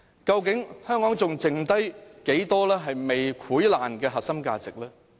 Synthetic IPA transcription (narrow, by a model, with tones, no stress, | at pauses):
kɐ˧wkɪ˨˥ŋhœː˥ŋkɔː˨˥ŋt͡sʊ˨ŋt͡sɪ˨ŋt̪ɐ˥jke˨˥jt̪ɔː˥lɛː˥ɦɐ˨jme˨jkʰuː˨˥jla̰ː˨˩nkɛː˧ɦɐ˨t̚sɐ˥mka̰ː˧t͡sɪ˨k̚lɛː˥